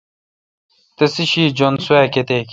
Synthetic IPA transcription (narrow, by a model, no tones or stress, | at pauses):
t̪esiɕiːd͡ʑonsueːket̪eːk